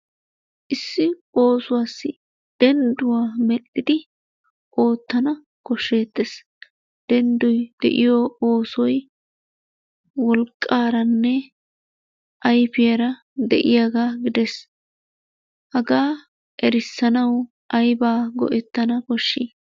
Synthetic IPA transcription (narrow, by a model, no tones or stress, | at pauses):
ʔɪsːɪo̞ːsʊwaːsːɪ | d̪̥ɛnd̪ʊwaːmɛɗːɪd̪ɪ | ʔo̞ːt̪ːɐnɐ | kɔʃːe̞ːt̪ːes | d̪̥ɛnd̪ʊjd̪̥ɛ̰ʔɪjooːsɔj | wɔlkʼːaːɾɐnːɛ | ʔɐjfɪjɐɾɐ | d̪ɛ̰ʔɪjaːɡaːɡɪd̪ɛs | hɐɡaː | ʔɛɾɪsːɐnɐw | ʔɐjbaːɡɔ̰ʔɛt̪ːɐnɐkɔʃːiː